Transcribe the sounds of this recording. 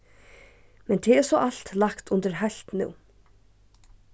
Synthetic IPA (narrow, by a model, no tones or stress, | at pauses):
mɛnt̪ʰɛɛɾsɔʔal̥t̪lakt̪ʊnt̪ɪɾɦajl̥t̪nṵw